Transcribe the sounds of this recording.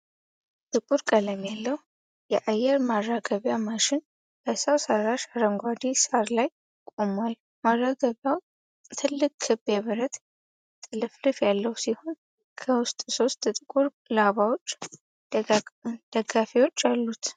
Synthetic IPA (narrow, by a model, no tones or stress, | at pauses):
t̪ʼɨkʼuɾkʼələmjalːəhu | jɛʔajɛɾmarːaɡəβjamaʃɪn | b̥əsəwsəɾaʃaɾəŋɡʷad̪isaɾlaj | kʼomal | marːaɡəβjaw | t̪ʰɨlːɨkʼʰːɨbeβɨɾət̪ | t̪ʼɨlɨflɨfjalːəwsiho̞n | kʰəwʊst̪ʼso̞st̪ʼt̪ʼɨkʼuɾ | laβawo̞t͡ʃː | d̪̥əɡafiwo̞t͡ʃːalːut̪